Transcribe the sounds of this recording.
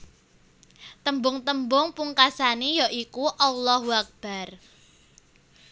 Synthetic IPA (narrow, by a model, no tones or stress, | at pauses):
t̪əmbʊŋt̪əmbʊŋpuŋkasanijaʔikuʔɔlːɔhwak̚b̥a̤r